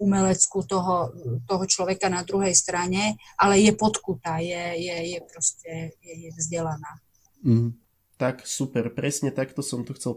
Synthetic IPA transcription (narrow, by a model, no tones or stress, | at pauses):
umɛlɛt͡skut̪ɔɦɔt̪ɔɦɔt͡ʃlɔʋɛkanad̪ɾuɦɛjst̪ɾaɲɛʔalɛjɛpɔt̪kut̪aːjɛjɛjɛpɾɔscɛjɛjɛvzɟɛlanaː | t̪aksupɛɾpɾɛsɲɛt̪akt̪ɔsɔmt̪ɔxt͡sɛl